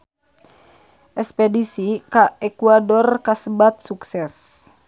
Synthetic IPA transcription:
ʔɛspɛdisikaɛkuadɔrkasəbat̪̚suksɛs

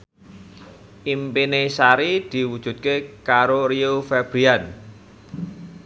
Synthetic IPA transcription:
ʔimpinesaɾid̪̥i̤wud̥ʒ̥ṳt̪̚kekaɾoɾiofɛb̥ɾian

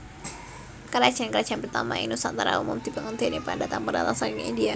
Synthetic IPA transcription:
kaɾḁʒ̥a̤nkəɾad̥ʒ̥anpərt̪a̰ma̰ḭnusant̪aɾa̰umʊmd̪̥ibaŋənd̪enipandat̪aŋpəɾa̰t̪asanŋḭindia

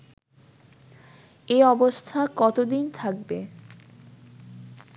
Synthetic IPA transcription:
eɔbost̪ʰakɔt̪od̪int̪ʰak̚be

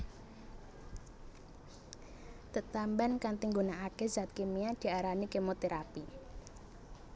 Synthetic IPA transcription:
t̪ət̪ambankant̪iŋɡunaakezat̪̚kemiad̪̥i̤aɾanikemot̪eɾapi

